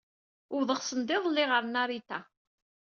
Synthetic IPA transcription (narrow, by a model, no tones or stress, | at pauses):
ʊɾðˤəʁsənd̪ɪðˤlːɪʁəɾnaɾit̪æ